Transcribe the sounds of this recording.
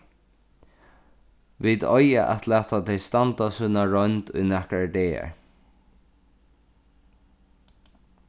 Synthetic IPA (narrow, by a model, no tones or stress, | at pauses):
ʋid̪ɔjaʔɛt̪læːt̪ʰat̪ʰɛjst̪ant̪asunaɹɔnt̪ʊjnɛhkɾaɖeːɛ̰ɹ